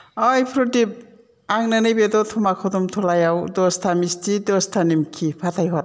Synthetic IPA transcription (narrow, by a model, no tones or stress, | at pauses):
ajpʰɾɔtip̚ | aŋnanɯjbedɔtʰɔmakʰɔdɔmtʰɔlajawdɔstʰamistʰidɔstʰanimkʰipʰatʰajɦɔt̚